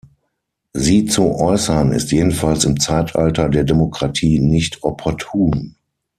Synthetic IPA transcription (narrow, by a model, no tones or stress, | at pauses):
ziːt͡suʔɔʏsɐnɪ̰stjeːdn̩falsɪmt͡saɪtʔa̰ltɐdeːɐdemokʁ̥atʰiːnɪçtʰʔɔpʰɔɐtʰuːn